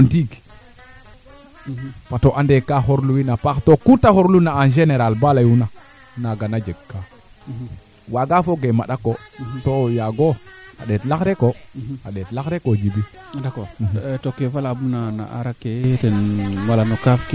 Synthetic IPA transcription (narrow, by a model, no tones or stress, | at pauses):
antiɡ | patoʔandekːaxoɾluwinapaktokutahoɾlunaand͡ʒeneɾalbalajuna | naɡanad͡ʒeɡkːa | waɡafoɡemaɗakːotojaɡoa̰ɗetlakɾekoaɗetlakɾekod͡ʒibi | dakotokːefalabunana̰ʔa̰ɾakːetenmalanokafki